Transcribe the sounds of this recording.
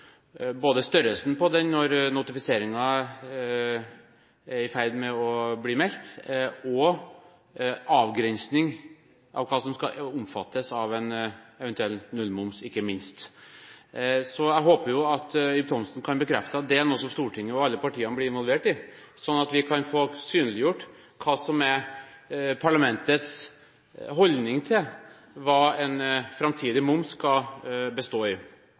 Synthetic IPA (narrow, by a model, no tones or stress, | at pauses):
boːd̪əst̪œɾəlsn̩pɔd̪ɛnnːɔɾnʊt̪ɪfɪseːɾɪŋɑ | æɾɪfæɪd̪mɛɔbliːmɛlt̪ɔ | ʔɑːʋɡɾɛnsnɪŋ | ʔɑ̰ʋkʰɑːsɔmskɑ̰ʊmfɑt̪ːəsɑʋɛnɛʋɛnt̪ʉɛlnʉlmʊmsɪkːəmɪnst̪ | sɔjæɪɦoːpəjʊɑt̪jʏp̚t̪ʰɔmsn̩kʰɑnbəkʰɾɛft̪əɑt̪̚d̪ɛænoːsɔmst̪uːʈʰɪŋːəɑʋɑlːəpɑʈʰiːənəbliːɪnʋɔlʋeːʈɪ | sɔnːɑt̪ʋɪkʰɑnfoːsyːnəlɪjʊʈː | kʰɑːsɔmæɾ | pʰɑɭɑmɛnt̪ət̪s | ɦɔld̪nɪŋt̪ʰɪl | ʋɑːɛnfɾɑmt̪ʰiːd̪ɪmʊmskɑbəst̪oːɪ